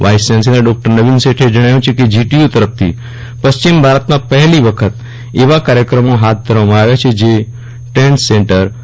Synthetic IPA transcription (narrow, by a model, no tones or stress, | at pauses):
ʋaisensinəɖɔk̚ʈəɾnəʋinseʈʰed͡ʒəɽ̃ajũt͡ʃʰeked͡ʒiʈiut̪əɾəpt̪ʰḭ | pəst͡ʃimbʱaɾət̪mãpəɦɛliʋəkʰət̪ | eʋakaɾjəkɾəmoɦat̪̚ʰd̪ʱəɾʋamãaʋjat͡ʃʰed͡ʒe | ʈeɳʈseɳʈəɾ